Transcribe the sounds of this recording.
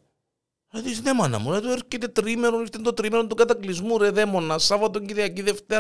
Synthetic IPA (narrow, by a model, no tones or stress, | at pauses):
eðisnemɐnɐ̰muɾet̪ueɾcet̪e̞t̪ɾimeɾonist̪ent̪ot̪ɾimeɾont̪ukɐt̪ɐklizmuɾeðemonːɐsɐvɐt̪oɲɟiɾʝɐciðeft̪e